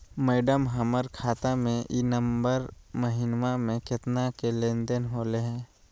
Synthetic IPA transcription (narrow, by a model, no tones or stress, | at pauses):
mɛːɖəmɦəməɾkʰaːt̪amẽʔiːnəmbəɾməɦɪnmamẽkɪt̪nakelẽːnd̪ənɦoːleɦɛ̃ː